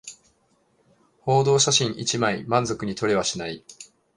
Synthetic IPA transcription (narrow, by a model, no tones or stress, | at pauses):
ho̞ːd̪o̞ːɕaɕĩɰ̃ʔit͡ɕimaimãnzo̞kɯ̟ɲ̟it̪o̞ɾe̞βaɕinai